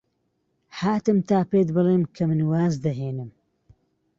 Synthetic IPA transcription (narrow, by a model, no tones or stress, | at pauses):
haːt̪ɨmt̪aːpeːt̪bɨleːmkʰɐmɨnwaːzd̪ɐɦeːnɨm